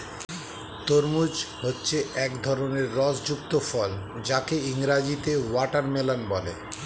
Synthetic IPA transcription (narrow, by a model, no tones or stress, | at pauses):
t̪oɾmud͡ʑhotːɕʰeɛkd̪ʱɔɾoneɾːɔsd͡ʑukt̪ofɔld͡ʑakeiŋɾad͡ʑit̪ewaʈaɾmelanbɔlḛ